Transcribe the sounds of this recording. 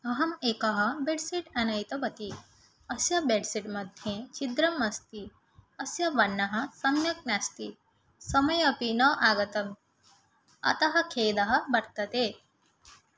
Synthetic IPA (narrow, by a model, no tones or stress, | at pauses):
ɐɦɐmeːkɐɦɐ̆beɖsiʈanɐjt̪ɐpɐt̪i | ɐsjɐbeɖsiʈmɐd̪ʱjẽt͡ʃid̪ɾɐmɐst̪i | ɐsjɐʋɐnːɐɦɐ̆sɐmjɐk̚nast̪i | sɐmɐjɐpinɐʔaːɡɐt̪ɐm | ɐ̰t̪ɐɦɐ̆kʰeːd̪ɐɦɐ̆bɐɾt̪ɐt̪e